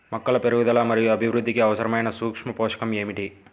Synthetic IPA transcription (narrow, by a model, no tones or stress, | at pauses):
mɐkːɐlɐpeɾuɡud̪ɐlaːmɐɾijuɐbʱiʋɾud̪ːikiɐʋɐsɐɾɐmɐjnɐsuːkʂmɐpoːʂɐ̥kɐme̞ːmiʈi